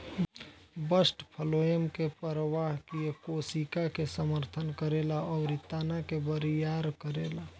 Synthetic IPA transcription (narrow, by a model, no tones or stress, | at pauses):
bəsʈpʰəloemkepəɾəʋaɦkiekosikakesəməɾt̪ʰənkəɾelaɔːɾit̪ːaːnakebəɾijaɾkəɾela